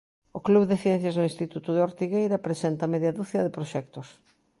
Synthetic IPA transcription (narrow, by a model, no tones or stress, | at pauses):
ʊkluβðɪθjɛn̟θjɐznʊinst̪it̪ut̪ʊðeoɾt̪iɣejɾɐpɾesɛnt̪ɐmɛðjɐðuθiɐðɪpɾoʃɛk̚t̪ʊs